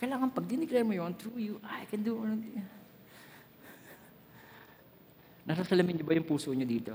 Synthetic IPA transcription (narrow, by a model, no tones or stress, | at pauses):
kɐjlaːŋɐnpɐɡ̚d̪ɪnɪklɛɾmojont̪ɹujuʔajkɛ̃nd̪uɐnond̪ | nɐsasɐlɐmɪɲɲobɐjʊŋpuːsoɲod̪iːt̪o